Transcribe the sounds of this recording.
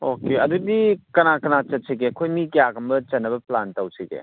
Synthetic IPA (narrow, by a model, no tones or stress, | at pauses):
okeɐdudikɐnakɐnat͡ʃɐt̚siɡekʰojmikijaɡɐmbɐt͡ʃɐnːɐbɐplantɐwsiɡḛ